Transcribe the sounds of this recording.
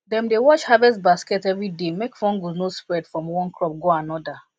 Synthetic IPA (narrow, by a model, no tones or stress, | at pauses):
dɛ̃mdewɔt͡ʃhavɛstbaskɛtɛvɹidemekfɔ̃nɡunospɹɛdfɹɔ̃mwɔ̃nkʰɹɔp̚ɡoanɔda